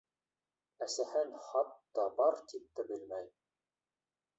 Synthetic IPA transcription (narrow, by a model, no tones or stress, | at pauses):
æsæhænχɑt̪t̪ɑbɑɾt̪ip̚t̪æbɘ̆lmæj